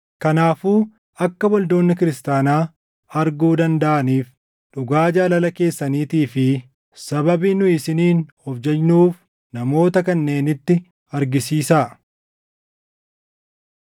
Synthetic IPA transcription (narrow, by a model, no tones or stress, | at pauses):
kɐnaːfuː | ɐkːɐwɔld̪o̞ːnːɪkɪɾɪst̪aːnaː | ɐɾɡuːd̪ɐnd̪ɐʔɐniːf | ᶑʊɡaːd͡ʒaːlɐlɐke̞ːsːɐniːt̪iːfɪ | sɐbɐbiːnʊɪsɪniːnhɔfd͡ʒɛnnuːf | nɐmo̞ːt̪ɐkɐnːe̞ːnɪt̪ːɪ | ɐɾɡɪsiːsaː